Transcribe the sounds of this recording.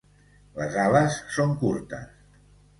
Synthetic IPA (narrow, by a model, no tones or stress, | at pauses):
ləzaləsːoŋkuɾt̪ə̰s